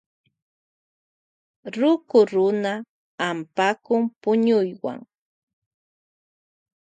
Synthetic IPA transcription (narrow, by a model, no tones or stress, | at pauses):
ɾʊkʊɾʊnaː | mpakʊmpʊɲʊjwa̰ŋ